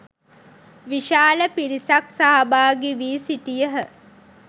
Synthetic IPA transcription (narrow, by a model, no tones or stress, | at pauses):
ʋiʃaːləpiɾisaksaɦabaːɡeʋiːsiʈijəɦə